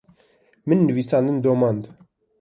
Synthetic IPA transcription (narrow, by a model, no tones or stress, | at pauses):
mɨnːɨviːsɑːnd̪ɨnd̪oːmɑnd̪